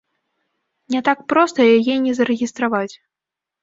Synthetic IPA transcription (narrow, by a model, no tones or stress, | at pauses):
nʲɛt̪ak̚pɾɔst̪ɐjajɛnʲɛzɐɾɛɣʲist̪ɾavat͡sʲ